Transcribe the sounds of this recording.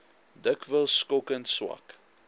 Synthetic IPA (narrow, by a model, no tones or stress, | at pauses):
dəkvəlˠskokənswɐ̰k